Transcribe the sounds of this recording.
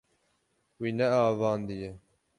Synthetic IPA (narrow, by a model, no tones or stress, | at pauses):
wiːnɛɑːvɑːnd̪ijɛ